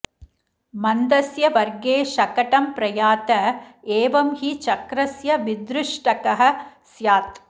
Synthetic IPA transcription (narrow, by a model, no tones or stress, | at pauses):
mɐnd̪ɐsjɐʋɐɾɡeːʃɐkɐʈɐmpɾɐjaːt̪ɐeːʋɐmhit͡ʃɐkɾɐsjɐʋɪd̪ɾɪʂʈɐkɐɦɐsjaːt̪